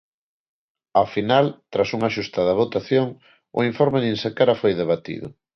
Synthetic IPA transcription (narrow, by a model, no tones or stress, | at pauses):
afinalt̪ɾasuŋaʃust̪aðaβot̪aθjoŋ | ʊ̰iɱfoɾmenĩnsakaɾafojðeβ̞at̪ḭðʊ̰